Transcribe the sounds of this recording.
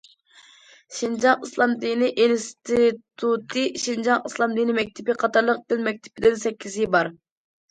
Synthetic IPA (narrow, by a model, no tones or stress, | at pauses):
ʃind͡ʒɑŋɨslˠɑmd̪inɪʔinst̪ʰit̪ʰut̪ʰɨʃind͡ʒɑŋɨslˠɑmd̪inɪmɛk̚ʲt̪ʰɪpɪqʰɑt̪ʰɑɾlˠəq̚d̪ɪnmɛk̚ʲt̪ʰɪ̥pʰɪd̪ɪnsɛkʲʰːizɪbɑɾ